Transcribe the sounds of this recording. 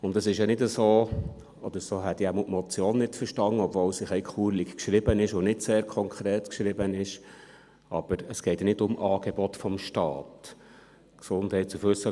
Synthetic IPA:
ʊndəsɪʃjɑnɪdəsoː | ɔd̥̪əɾsoːɦɛt̪iæmutmɔt͡sjoːnːɪtfəɾʃtɑŋːəɔbvoːwsɪχɛɪkχuːɾlikkʃɾɪb̥ənɪʃonɪdseːɾkʰɔŋkʰɾɛːtkʃɾɪbənɪʃ | ɑ̰b̥əɾəsɡ̥ɛɪtnɪdʊmʔɑːɡ̥ɛbɔt̪fɔmʃtɑ̰ːt | ksʊndhɛɪt̚t͡sufɵsə

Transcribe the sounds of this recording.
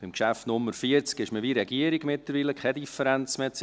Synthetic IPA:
b̥ɪmkʃæftnʊmːəɾfiəɾt͡skɪʃməʋiɾɛɡiəɾiɡmɪtləɾʋiːləkʰχɛdifəɾɛnt͡smɛt͡s

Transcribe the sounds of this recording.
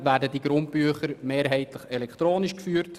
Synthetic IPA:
væːɾdədiɡ̥ɾʊnt̚pyəχəɾmeːɾɦɛɪtləχɛlɛkt̪ɾoːniʃkfyːɾt

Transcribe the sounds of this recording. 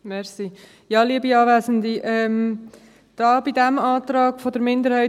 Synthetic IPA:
mɛɾsi | jɑːliəbiɑːvæːzənd̪iʔɛm | d̥ɑːbidæmɑːt̪ɾɑːɡ̥fɔdəɾmɪndəɾhɛɪ

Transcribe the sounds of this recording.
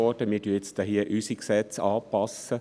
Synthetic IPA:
ɔd̥əmɪːdyːet͡stɑɦiəʔysiksɛt͡sɑ̰ːpɑsə

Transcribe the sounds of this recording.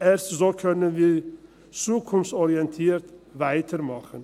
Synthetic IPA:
ɛɾstzoːkʰœnənʋiː | t͡suːkʰʊnfsɔɾɪɛnt̪ʰiːɾt̪væɪt̪ʰəɾmɑχən

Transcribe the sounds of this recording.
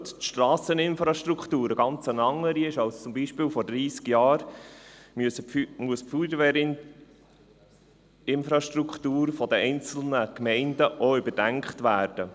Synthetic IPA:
ttʃtɾɑːsənɪnfɾɑʃtɾukt̪uːɾəɡɑnt͡sənɑŋːəɾiɪʃɑlst͡sʊmbiːʃpɪːlfɔɾd̥ɾiːskjɑːɾ | msəmuəspfudəʋɛɾ | ɪnfɾɑʃtɾukχt̪uːɾfɔdəɛɪnt͡sl̩nəkmɛɪndəʔɔʏbəɾdæŋkχt̪ʋæːɾd̥ə

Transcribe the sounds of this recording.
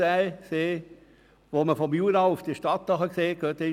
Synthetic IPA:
æɪseː | ʋoːməfɔmjuːɾɑʊfd̥iʃtɑt̪ːəɦɑkseːɡøt̪e

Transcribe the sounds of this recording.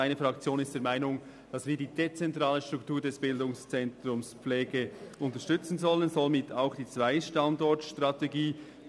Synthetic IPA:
aɪnəfɾɑkt͡sjoːnɪstd̥eːmaɪnʊŋ | d̥ɑsviːɐdiːdet͡sɛntʁaːləʃtʁ̥uktuːɐdɛsb̥ɪldʊŋst͡sɛntɾʊmsp͡flɛːɡəʔʊntəʃtʏt͡sn̩zɔlənzɔlmɪtʰaʊxd̥iːt͡sv̥aɪʃtɑndɔɹtʃtʁɑteɡiː

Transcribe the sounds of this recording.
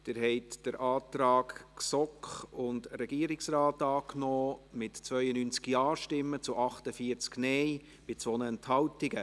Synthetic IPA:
d̥ɪɾɦɛɪtd̥əɾʔɑːt̪ɾɑːkksɔkχʊndɾɛɡiəɾɪksrɑːtɑːknɔːmɪtt͡sʋœʏənynt͡skjɑːʃtɪmːət͡sʊʔɑχtəfiəɾt͡sknɛj | b̥ɪt͡sʋɔnəɛnthɑwtɪɡə

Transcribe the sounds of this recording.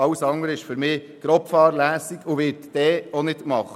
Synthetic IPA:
ɑwəsɑŋəɾəɪʃføɾmɪː | ɡ̥ɾɔpfɑːɾlæːsiɡʊʋɪːɾtd̥ɛːɔnɪtmɑχə

